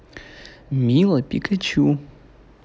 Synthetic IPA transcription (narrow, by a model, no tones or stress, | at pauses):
miləpikʰət͡ɕʰu